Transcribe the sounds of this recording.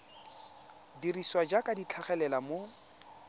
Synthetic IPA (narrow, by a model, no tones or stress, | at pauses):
diriswad͡ʒakʼadit͡ɬʰaχɛlɛlamo